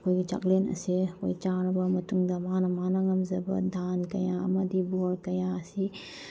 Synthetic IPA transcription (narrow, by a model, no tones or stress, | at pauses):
koit͡ʃɐ̰klenɐ̰sekoit͡ʃaːɾɐbɐmɐt̪uŋd̪ɐmaːnɐmaːnɐŋɐmzɐbɐ̰d̪ʱaːnkɐjãːmɐd̪ibuɐɾkɐjãːsi